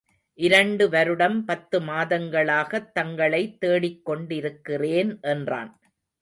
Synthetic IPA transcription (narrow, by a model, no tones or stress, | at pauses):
ʔɪɾɐɳɖɯʋɐɾɯɽɐmpɐt̪ːɯmaːðɐŋɡɐɭaːɣɐt̪ːɐŋɡɐɭɐɪt̪ːeːɽɪkːɔɳɖɪɾɯkːɪreːnʔɛndra̰ːn